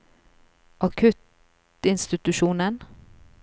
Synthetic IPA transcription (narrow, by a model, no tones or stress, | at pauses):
ʔɑkʰʉt̪ | ɪnst̪ɪt̪ʉʃuːnən